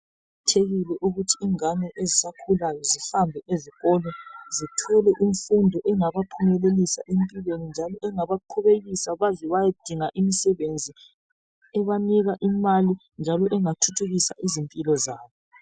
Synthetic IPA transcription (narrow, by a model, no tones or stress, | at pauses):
tʰeɣilɛʔuɣutʰiːŋanɛʔezisakʰulajɔzihambʱɛʔeziɣɔlɛzitʰɔlɛʔiɱfundʱɔʔɛŋaβapʰumɛlelisa̰ʔempʼilwenind͡ʒʱalɔʔɛŋaβaǃʰɔβeɣisaβazɛβajad̥ʱiŋaʔimisɛβend͡zʱi | ɛβaniɣaʔimali | nd͡ʒʱalɔʔɛŋatʰutʰuɣisa̰ʔizimpʼilɔzaːβɔ